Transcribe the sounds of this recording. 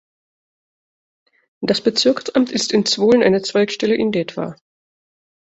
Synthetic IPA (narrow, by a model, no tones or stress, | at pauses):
d̥asb̥ət͡sɪɐksʔamtɪstɪnt͡sv̥oːlənʔa̰ɪnət͡sv̥aɪkʃtɛləʔɪndɛtv̥a̰ː